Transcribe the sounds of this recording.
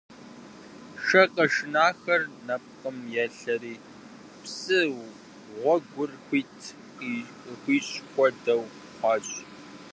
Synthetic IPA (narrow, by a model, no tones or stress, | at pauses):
ʂɐqʼɐʂɪnaːxɐrnɐp̚qəmjɛɬɐɾiː | psɨw | ʁʷɔɡʷʊrxʷiːtʰ | qi | xʷiːɕʼxʷɔdɐw | χʷɑːɕʼ